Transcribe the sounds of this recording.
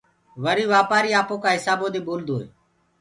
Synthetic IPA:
ʋəɾiːʋaːpaːɾiːaːpõːkãːɦɪsaːboːd̪iːɓoːld̪oːɦḛː

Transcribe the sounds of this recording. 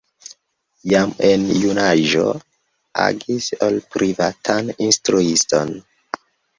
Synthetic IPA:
jamenjunaʒo̞̰ | a̰ɡisolpɾʔivatʰaninstɾuiston

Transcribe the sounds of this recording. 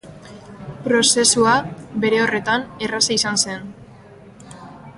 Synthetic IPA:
pɾo̞se̞suabe̞ɾe̞o̞re̞t̪anerasaisanse̞n

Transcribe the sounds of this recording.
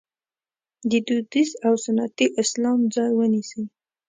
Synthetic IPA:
d̪əd̪ud̪isawsanat̪iʔɪslɑmd͡zɑjwənisə

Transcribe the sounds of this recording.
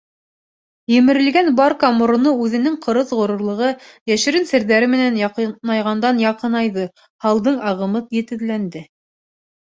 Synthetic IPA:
jɵ̆mɘ̆ɾɘ̆lɡænbɑɾkɑmŏɾŏnɤʉðɘ̆nɘŋqɤ̆ɾɤðʁŏɾŏɾlˠɤ̆ʁɤ | jæʃɘ̆ɾɘnsɘ̆ɾðæɾɘmɘ̆nænjɑqɤɑjʁɑnd̪ɑnjɑqɤ̆nɑjðɤ | hɑlˠd̪ɤɴɑʁɤ̆mɤt̪jɘ̆t̪ɘ̆ðlænd̪ɘ

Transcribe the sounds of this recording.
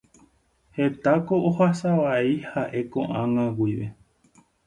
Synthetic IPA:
he̞t̪akoʔohasaʋaihaʔe̞kõʔãŋãɡʷiʋe

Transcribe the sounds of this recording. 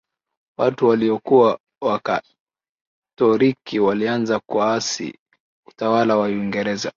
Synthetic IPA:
watuwaliɔkuwa | waka | tɔɾikiwalianzakuaasḭ | utawalawaiŋɡɛɾɛza

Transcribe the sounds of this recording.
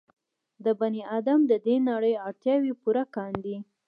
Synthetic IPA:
d̪əbaniʔɑd̪amd̪əd̪enaɽəjɑɽt̪jɑwipuɾakɑnd̪i

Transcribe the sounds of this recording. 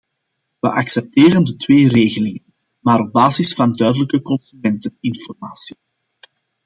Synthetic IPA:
ʋə̰ʔɑksɛp̚teːrəndətweːreːɣəlɪŋən | maːɾɔb̚baːzɪsfɑndœːdələkəkɔnsymɛntənɪnfɔrmaːsi̥

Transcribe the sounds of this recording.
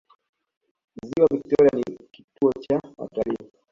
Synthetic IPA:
m̩ziwavik̚tɔɾianiki̥tuɔt͡ʃawa̰tali

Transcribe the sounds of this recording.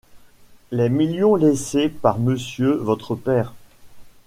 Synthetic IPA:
lɛmiljɔ̃lesepaʁməsjøvɔt̪χəpɛːʁ

